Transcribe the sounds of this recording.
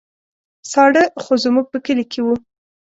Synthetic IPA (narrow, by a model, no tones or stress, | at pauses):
sɑɽəxozmuɡ̚pəkəlikʰewu